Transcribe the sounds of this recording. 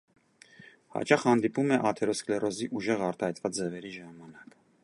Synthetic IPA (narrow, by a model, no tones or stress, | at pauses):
hɑ̰t͡ʃɑχhɑnd̪ipumɛʔɑt̪ʰɛɾɔsklɛrʔɔziʔuʒɛʁɑɾt̪ɑhɛt̪vɑt͡sd͡zɛvɛɾiʒɑmɑnɑk